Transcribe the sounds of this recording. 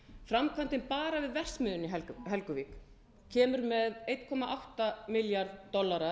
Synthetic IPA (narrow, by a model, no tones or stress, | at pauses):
fɾamkʰant̪ɪnpaːɾavɪðvɛr̥smʏðʏnɪɦɛlɦɛlkʏviːk | cʰɛːmʏɾmɛðejt̪kʰɔmaʔawht̪amɪljaɾðːɔlːaɾa